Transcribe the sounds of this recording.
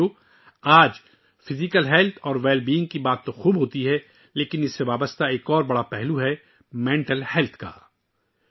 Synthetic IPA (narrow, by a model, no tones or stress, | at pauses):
o | aːd͡ʒ | fɪzɪkəlɦɛlt̪ʰɔːɾʋɛːlbiːɪ̃ŋɡ̚kibaːt̪ːoxuːbɦoːt̪iɦɛ | leːkɪnɪsːeʋaːbəst̪aeːkɔːɾbɐɽapɛɦluɦɛ | mɛ̃ːɳʈəlhɛlt̪ʰka̰ː